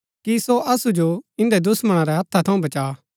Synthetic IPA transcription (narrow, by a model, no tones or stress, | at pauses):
kisoʔɐsud͡ʒoɪ̃nd̪ɛd̪ʊsmɐɽ̃aɾɛɦɐt̪ʰːat̪ʰɐũbɐt͡ʃaː